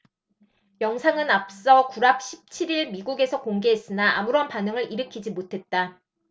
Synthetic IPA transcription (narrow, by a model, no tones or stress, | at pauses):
jʌŋsʰaŋɯnap̚s͈ʌkuɾak̚ɕʰi̥p̚t͡ɕʰiɾiɭmiɡuɡe̞sʰʌkoŋɡe̞ɦes͈ɯnaa̰muɾʌnpanɯŋɯɾiɾɯkʰid͡ʑimotʰe̞t̚t͈a